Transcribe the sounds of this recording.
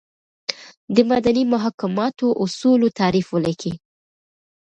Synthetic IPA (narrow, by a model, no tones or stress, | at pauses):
d̪əmad̪animʊɦɑkɪmɑt̪oʔʊsulot̪ɑɾifwalakʰi